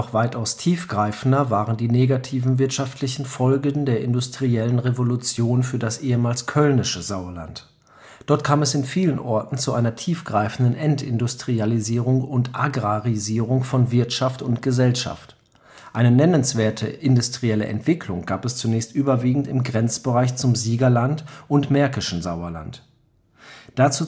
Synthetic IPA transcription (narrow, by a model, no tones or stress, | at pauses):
nɔχv̥aɪtaʊstʰiːfɡ̥ʁaɪfn̩dɐvaːʁəndiːneːɡatʰiːvn̩vɪɐtʃaftʰlɪçn̩fɔlɡn̩deːɐʔɪndʊstʁ̥iɛlənʁevolut͡sjoːnfyːɐdasʔeːəmaːlskʰœlnɪʃəzaʊɐla̰nt | d̥ɔɐtkʰaːmɛsɪnfiːlənʔɔɐtn̩t͡suʔaɪnɐtʰiːfɡ̥ʁaɪfn̩dənʔɛntɪ̰ndʊstʁ̥ializiːʁʊŋʊntʔaɡʁaʁiziːʁʊŋfɔnvɪɐtʃaftʊntɡ̥əzɛlʃa̰ft | ʔaɪnənɛnənsv̥eːɐtʰəʔɪndʊstʁ̥iɛlə̰ʔɛ̰ntv̥ɪkʰlʊŋɡaːpɛst͡sunɛːçstʔyːbɐviːɡŋ̩tɪmɡʁɛnt͡sb̥əʁaɪçt͡sʊmziːɡɐlantʔʊntmɛɐkɪʃn̩zaʊɐla̰nt | d̥at͡suː